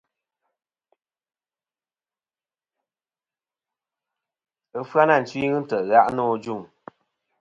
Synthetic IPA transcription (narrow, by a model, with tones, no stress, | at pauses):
ə˦fwa˦na˦˨n̩˨t͡ʃwi˦ŋɨ˦n̩˦tə˨ʔɣa˦ʔnɔ˦˨d͡ʒu˦˨ŋ